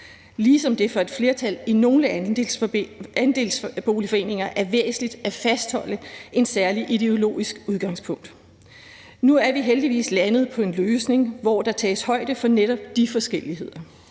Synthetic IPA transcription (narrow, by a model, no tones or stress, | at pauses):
liːsɒ̽md̥e̝fɒ̽e̝d̥fle̝ːɐt͡sʰælino̝ːləæ | ænd̥e̝̰ːlsb̥o̝̰ːlifɒ̽e̝̰ːne̝ŋɐʔæɐʋḛːsn̩lid̥æfæsd̥hɒ̽l̰əʔe̝nsæɐliʔiɾ̥e̝o̝lo̝̰ːisɡ̥uðˠɡ̥ɑ̈ŋspʰɔ̽ŋ̰d̥ | nuæɐʋiɦeld̥iʋḭːslænəð̞̩ˠpʰɒ̽e̝nløːsne̝ŋʋɒːd̥ɑ̈t͡sʰɛ̰ːshɒ̽ɪ̰d̥əfɒ̽neɾ̥ɒ̽b̥d̥ifɒ̽sɡ̥el̰iɦe̝ð̞̰ˠɐ